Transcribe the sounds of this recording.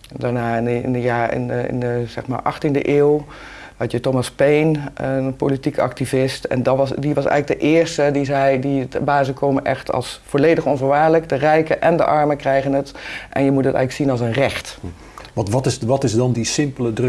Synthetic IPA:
daɹnaːɪnnjaːɪ̰nɪ̰nəz̥ɛχma̰ːɹʔɑ̰χtində̰ʔeːlˠ | ʋɛtjətomaspejnəpolitikɑ̰k̚tivɪstɛ̰nddiʋɑsɛ̰jɣlək̚dəʔɪːɹstədizɛjdibaːzəkʰowmənʔɛ̰xtʰɑ̰lˠsfoːɹlejdəχɔnvəɹʋaːɹləkdərɛjkəʔɛndə̰ʔɑɹməkrɛjɣənətʔɛ̰njəmutdətɛ̰ɣləksinɑlˠsənrɛxt | ʋɑ̃ntʋɑtɪsʋɑtɪzdɑndisɪmpələdr

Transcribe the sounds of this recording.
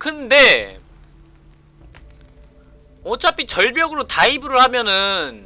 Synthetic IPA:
kɯnde̞ | ot͡ɕʰapʰit͡ɕʌɭbjʌɡɯɾotaibɯɾɯɭhamjʌnɯn

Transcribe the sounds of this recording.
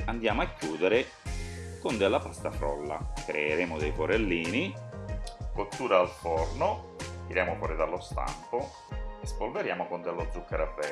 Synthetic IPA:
and̪jaːmʊakːjuːd̪eɾe | kʊnd̪elːapast̪afɾɔ̰lːa̰kɾeːɾeːmʊd̪ɛjpoɾelːiːni | kot̪ːuːɾaːlfɔrnʊ | t̪iɾjaːmʊfɔːɾɪd̪alːɔst̪a̰mpʊ | espolveɾjaːmokʊnd̪elːod̪zːukːeɾavːɛ

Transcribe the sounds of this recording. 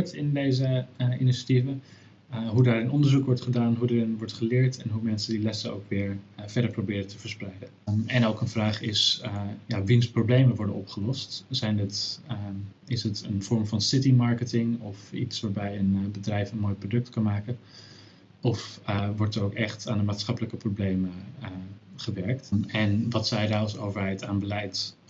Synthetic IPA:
ɹtɪndejzəiniʃativə | ɦudaːɾɪnɔndəɹzukʋɔɹtχədaːnɦudərɪnʋɔɹtχəlɪːɹtɛnɦumɛnsəndilɛsəo̰wkʋɪːɹv̥ɛɹdəɹprowbɪːɾətəvəɹsprɛjdə | ɛnowkənvraːχɪsjaʋinsproblejməʋɔɹdənɔpχəlɔstzɛjnət | ɪsətənv̥ɔɹmvɑnsɪtimɑɹkətɪŋɔfḭtsʋaːɹbɛjənbədrɛjfənmoːjprodɵk̚tkɑnmaːkən | ɔfʋɔɹtərowkɛχtaːndəmaːtsχɑpələkəproblejmə | χəʋɛɹk̚tɛnʋɑtsɛjdaːsowvəɹɦɛjtaːnbəlɛjt

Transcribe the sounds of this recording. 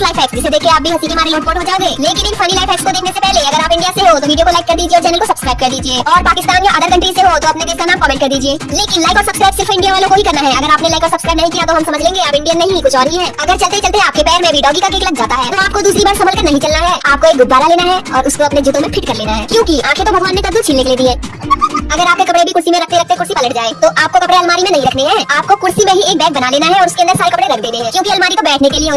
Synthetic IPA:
laːɪfɛːksd͡ʒɪsed̪eːkʰːeaːp̚bʱiɦɐt̪ikemaːɾelɔːʈ̚bɔːʈɦod͡ʒaːoɡeːleːkɪnɪnfʰɐnilaːɪfɛːksk̪od̪eːkʰnesepɛɦleɐɡəɾaːpɪ̃ɳɖijaseɦot̪oʋiːɖijokolaɪkːɐɾd̪iːd͡ʒieːɔːɾt͡ʃɛːnəlkosɐbskɾaːɪb̚kɐɾd̪iːd͡ʒieːʔɔːɾpaːkɪst̪aːnjoʔad̪əɾkɐ̃ɳʈeseɦot̪oɐpneɡeːskanaːmkɔːmẽːɳʈkɐɾd̪iːd͡ʒieːleːkɪnlaːɪkɔːɾsɐbskɾaːɪbsɪɾfɪ̃ɳɖijaʋaːlõkoɦikɐɾnaɦɛ̃ɐɡəɾaːpnelaːɪkɔːɾsɐbskɾaːɪbnɐɦĩkijat̪oɦɐmsɐməd͡ʒʱlẽːŋɡeaːpɪ̃ɳɖianɐɦĩkʊt͡ʃʰɔːɾɦiɦɛːɐɡəɾt͡ʃɐlt̪eɦɛ̃t͡ʃɐlt̪eɦɛ̃aːp̚kepɛːɾmẽbʱiɖɔːɡikak̬eːklɐɡ̚d͡ʒaːt̪aɦɛːt̪oaːp̚kod̪uːsɾibaːɾsɐməlkɐɾnɐɦĩt͡ʃɐlnaɦɛːaːp̚koeːk̚ɡʊb̪ːaːɾaleːnaɦɛɔːɾʊskoɐpned͡ʒut̪õmẽpʰɪʈkɐɾleːnaɦɛːkjõːkiãːkʰẽt̪obʱɐɡʋaːnmẽt̪ɐd̪ut͡ʃʰiːlnɪkleːd̪iɦɛ̃ː | ɐɡəɾaːp̚kekɐpɽebʱikʊɾsimẽɾɐk̚ʰt̪eɾɐkt̪eɛkʊɾsipɐləʈ̚d͡ʒaːẽːt̪oʔaːp̚kokɐpɽeɐlmaːɾimẽnɐɦĩɾɐkʰneɦɛːaːp̚kokʊɾsimẽɦieːk̚bɛːk̚bɐnaleːnaɦɛɔːɾʊskẽnd̪əɾsaːɾekɐpɽeɾɐkʰd̪eːd̪ẽɦɛ̃kjõːkiɐlmaːɾikobɛːʈʰnekelieo

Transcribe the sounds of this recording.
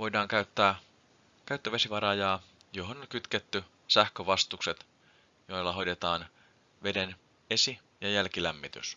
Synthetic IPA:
ʋo̞jdɑːŋkæyt̪ːæː | kæyt̪ːøʋesiʋɑɾɑjɑː | joɦonoŋkyt̪ket̪ːy | sæhkøʋɑst̪ukset̪ | jo̞jlːɑɦo̞jdet̪ɑːn | ʋe̞den | esi | jɑjælkilæmːit̪y̰s

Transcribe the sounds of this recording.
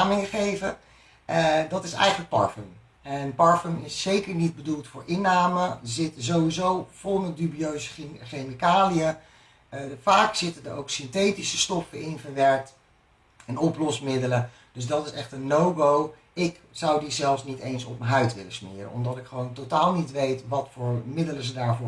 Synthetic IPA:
amɪŋəχejvə | dɑtɪsɛ̰jχənlək̚pɑ̰ɹfəm | ɛnpɑɹfəmɪsːejkəɹnid̚bədulˠtfʊːɹɪnːaːməzɪtəzowʋizowv̥ɔlˠənədybiøɥzəχemikaːliə | faːksɪtədəɹowksɪnteːtisə̥stɔfəɪnvəɹʋɛɹk̚t | ɛnɔplɔsmɪdələ | d̥ɵzdɑtɪsɛχtənːowɡow | ɪk | z̥ɑwdizɛlˠfsnitejnsɔ̰p̚məɦœɥtʋɪləsmɪ̰ːɾə̰nɔ̰mdɑtɪkχəʋowntotaːlˠnitʋejtʋɑtfʊːɹmɪdələzədaːɹvʊː

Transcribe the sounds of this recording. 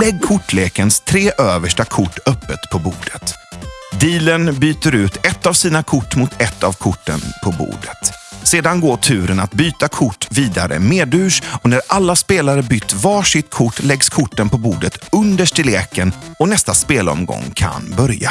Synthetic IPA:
lɛɡːkʰʊʈːleːkənst̪ʰɾeːʔøːvəʂʈakʰʊʈːœpːət̪pʰɔbuːd̪ət̪d̪iːlənbyːt̪əɾʉ̟ːt̪ʰɛt̪ːavsiːnakʰʊʈːmʊt̪ʰɛt̪ːavkʰʊʈːə̰npʰɔbṵːɖ̪ət̪seːd̪anɡoːʈʰʉ̟ːɾənat̪byːt̪akʰʊʈːviːd̪aɾʔə̰meːd̪ʉ̟ːʂɔnæɾʔalːaspeːlaɾəbʏt̪ːvɑːʂɪt̪kʰʊʈːlɛɡskʰʊʈːənpɔbuːd̪ət̪ɵnd̪əʂʈɪleːkənɔnɛst̪aspeːlɔ̰mɡɔ̰ŋkʰa̰nbœɾja̰

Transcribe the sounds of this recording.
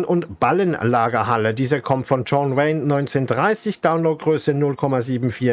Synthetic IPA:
nʔʊntb̥alənlaːɡɐhalədiːzəkʰɔmtfɔnt͡ʃɔnʁɛɪnːɔʏnt͡seːndʁaɪsɪçd̥aʊnloʊt̚ɡ̥ʁøːsənʊlkʰɔmaziːbm̩fiːɐ

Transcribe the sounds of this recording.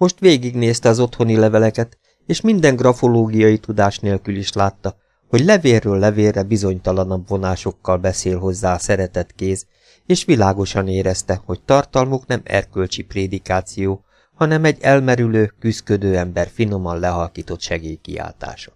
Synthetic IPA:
mo̞ʃt̪ʋeːɡiɡneːst̪ɛɒzo̞t̪ho̞nilɛvɛlɛkɛt̪ | eːʃmind̪ɛŋɡrɒfo̞loːɡijɒjit̪ud̪aːʃneːlkyliʃlaːt̪ːɒ | ho̞ɟlɛveːrːøːlːɛveːrːɛbizo̞ɲt̪ɒlɒnɒbvo̞naːʃo̞kːɒlbɛseːlɦo̞zːaːɒsɛɾɛt̪ɛt̪keːz | eːʃʋilaːɡo̞ʃɒneːɾɛst̪ɛho̞ct̪ɒrt̪ɒlmo̞knɛmɛ̰rkølt͡ʃipreːd̪ikaːt̪sijoː | hɒnɛmɛɟːɛlmɛɾyløːkyskød̪øːɛmbɛrfino̞mɒnlɛɦɒlkiːt̪o̞t̪ʃɛɡeːjkḭa̰ːlt̪a̰ːʃɒ̥

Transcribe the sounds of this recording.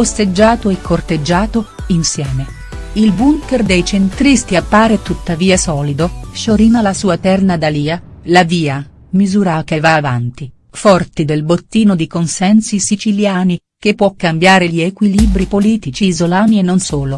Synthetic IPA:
ost̪ed͡ʒːaːt̪oɛkʰːort̪ed͡ʒːaːt̪oinsjɛːme | ilbuŋkerd̪ejt͡ʃent̪ɾist̪iapːaːɾet̪ut̪ːaviːasɔːlid̪oʃoɾiːnalasuːat̪ɛrnad̪aliːalaviːa | mizuːɾakevaːvant̪i | fɔrt̪id̪elbot̪ːiːnod̪ikonsɛnsisit͡ʃiljaːni | k̟epːwɔkːambjaːɾeʎiekwiliːbɾipoliːt̪it͡ʃiːzolaːnienːonsoːlo

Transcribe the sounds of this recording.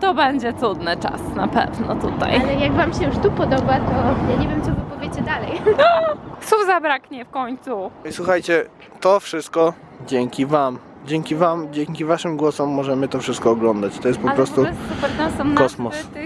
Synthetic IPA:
t̪ɔbɛɲd͡ʑɛt̪sud̪nɘt͡ʂa̰snapɛ̰vnɔ̰t̪ut̪a̰jlɛjaɡvamɕɛjuʂt̪upɔd̪ɔbat̪ɔjaɲevʲjɛmt̪sɔvɨpɔvʲjet͡ɕɛd̪alɛj | swufzabɾakɲɛfkɔɲt̪suiswuxajt͡ɕɛ | t̪ɔfʂɘst̪̚kɔ | d͡ʑɛŋkʲivam | d͡ʑɛŋkʲivamd͡ʑɛŋʲkʲivaʂɘmɡwɔsɔmːɔʐɛmɘt̪ɔfʂɘst̪̚kɔːɡlɔnd̪at͡ɕt̪ɔjɛst̪pɔapɾɔst̪uɔpt̪asɔmk̪ɔsmɔs

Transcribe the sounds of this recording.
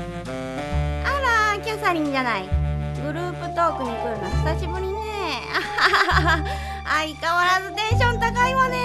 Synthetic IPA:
aɾakʲasaɾʲĩɲd͡ʑanaiɡɯ̟ɾɯ̟ːpɯ̟t̪o̞ːkɯ̟ɲ̟ikɯ̟ɾɯ̟noɕi̥saɕibɯ̟ɾʲinea | aikaβaɾazɨt̪ẽ̞ɰ̃ɕ̬õnt̪akaiβane

